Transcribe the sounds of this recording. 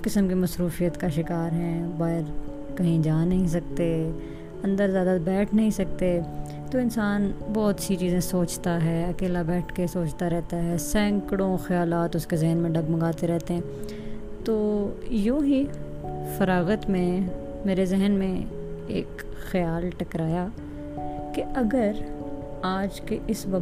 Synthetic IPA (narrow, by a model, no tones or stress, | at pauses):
kɪsəmkimɐsɾuːfijət̪kaʃɪkaːɾɦɛ̃baːɦɪɾ | kɐɦĩd͡ʒaːnɐɦĩs̬ɐk̚t̪e | ɐ̃nd̪əɾzjaːd̪abɛːʈʰnɐɦĩsɐk̚t̪e | t̪oːɪnsaːnbɔːt̪sit͡ʃiːzẽsoːt͡ʃt̪aɦɛːɐkeːlabɛːʈʰkesoːt͡ʃt̪aɾɛɦt̪aɦɛːsɛ̃ːŋkɽõxjaːlaːt̪ʊskezɛɦnmẽɖɐɡmɐ̃ŋɡaːt̪eɾɛɦt̪eɦɛ̃ː | t̪oːjoːɦi | fɐɾaːɣət̪mẽ | meːɾezɪɦənmẽḛːk | xɐjaːlʈɐkɾaːja | keɐɡəɾ | aːd͡ʒkeʔɪsbɐ